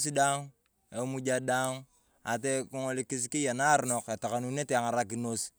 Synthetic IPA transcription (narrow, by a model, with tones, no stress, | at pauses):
s̬i˦da˦ŋ | e˨˦mu˦d͡ʒa˦da˦ŋ | a̰˨t̬e˦kuŋo˦li˨ki˦s̬ki˦ja˨na˦ɾno˨ke˨ta˨ka˨nune˦te˦a˨ŋa˨ɾak̬i˨nos